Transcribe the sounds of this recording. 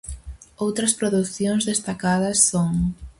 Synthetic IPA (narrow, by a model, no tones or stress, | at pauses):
owt̪ɾɐspɾoðuθjoŋzðest̪akaðɐsːoŋ